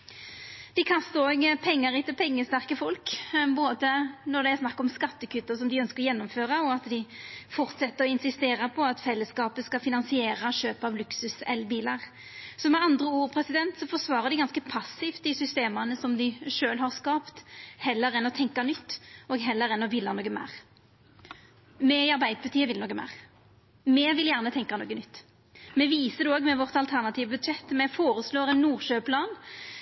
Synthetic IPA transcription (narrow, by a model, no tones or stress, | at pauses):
d̪̥ɪkʰɑst̪əɾɔɡpʰɛŋːəɾɪt̪ːəlpʰɛŋːəst̪æʁkəfɔlkboːd̪ənɔd̪ɛæɾsnɑkːɔmskɑt̪ːəkʉt̪ːəsɔmd̪ɪœnskəʁjɛnːɔmføːɾɑɔɑt̪d̪ɪfɔɾt̪sɛt̪ːəɾɔɪnsɪst̪eːɾəpʰɔɑt̪fɛlːəskɑːpəskɑfɪnɑnsɪeːɾɑɕøːpɑʋlʉksʉsɛlbiːlɑʁ | sɔmɛɑnd̪ʁəuːʁpʰɾɛsɪd̪ɛnt̪sɔfɔʂʋɑːʁəʁd̪ɪɡɑnskəpʰɑsɪft̪d̪ɪsʏst̪eːmɑnəsɔmd̪ɪʃøːlɦɑʁskɑːpt̪hɛlːəɾɛnːɔt̪ʰɛŋkɑnʏt̪ːɔːɡɦɛlːəɾɛnːɔʋɪlːɑnoːɡəmæ̰ːʁ | mɛɪɑʁbæɪd̪əpʰɑʁt̪ʰiːəʋɪlnoːɡəmæ̰ːʁ | mɛʋɪljæːʁnət̪ʰɛŋkɑnoːɡənʏt̪ː | mɛʋiːsəd̪ɛoːɡmɛʋɔʁt̪ɑlt̪ʰæʁnɑt̪ʰiːʋəbʉd̪ʃɛt̪ːmɛfoːʁəsloːʁɛnːuːʁʃøːpʰlɑːn